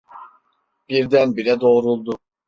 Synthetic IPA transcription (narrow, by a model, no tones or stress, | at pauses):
b̥iɾd̪ænbiɾɛd̪o̞ːɾulˠd̪ʊ